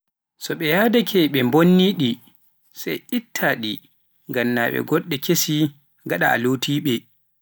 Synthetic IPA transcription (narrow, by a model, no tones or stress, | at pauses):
sɔɓɛjaːdakʰɛɓɛmbonːiɗi | sajʔitʰːaɗi | ŋɡanːaːɓɛ̰ɡɔɗːɛkʰesi | ŋɡaɗaa̰lotʰiːɓɛ